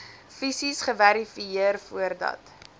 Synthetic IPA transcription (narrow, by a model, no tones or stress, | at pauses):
fisisχəvæɾifiiərfuərdɐ̰t